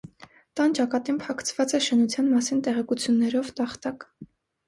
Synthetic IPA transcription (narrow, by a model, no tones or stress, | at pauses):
t̪ɑnt͡ʃɑkɑt̪inpʰɑkʰt͡sʰvɑt͡sɛʃənut͡sʰjɑnmɑsint̪ɛʁɛkut͡sʰjunːɛɾɔvt̪ɑχt̪ɑk